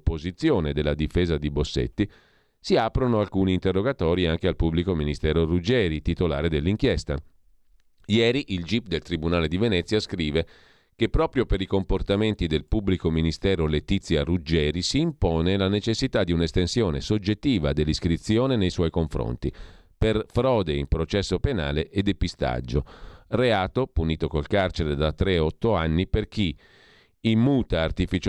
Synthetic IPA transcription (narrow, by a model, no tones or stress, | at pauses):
pːozit̪sːjoːned̪elːad̪ifeːzad̪ibosːḛt̪ːi | siaːpɾonoalkuːniːnt̪erːoɡat̪ɔːɾiaŋk̟ealpubːlikominist̪ɛːɾorud͡ʒɛːɾit̪it̪ola̰ːɾed̪elːiŋkjɛst̪a̰ | jɛːɾiʔild͡ʒip̚d̪elt̪ɾibunaːled̪ivenɛt̪sːjaskɾiːve | kepːɾɔːpɾjopeɾikomport̪ament̪id̪elpubːlikominist̪ɛːɾolet̪it̪sːjarud͡ʒɛːɾisiːmpɔːnelanet͡ʃesːit̪ad̪ːiunest̪ensjoːnesod͡ʒet̪ːiːvad̪elːiskɾit̪sːjoːnenejswɔjkoɱfɾo̰nt̪i | perfɾɔːd̪eimpɾot͡ʃɛsːopena̰ːleʔːd̪ːepist̪a̰d͡ʒːoreaːt̪opuniːt̪okolkart͡ʃeɾed̪at̪ːɾeɔt̪ːoanːiperk̟iː | mːuːt̪aːrt̪ifit͡ʃ